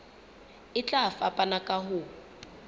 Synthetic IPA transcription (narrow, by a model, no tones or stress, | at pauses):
ɪt͡ɬʼafapʼanakʼaɦʊ